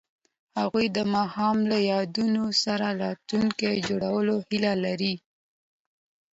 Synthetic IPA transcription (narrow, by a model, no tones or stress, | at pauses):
haɣujd̪əmɑhɑmlajɑd̪unosaɾalɑt̪luŋked͡ʒoɽawəlohilalaɾi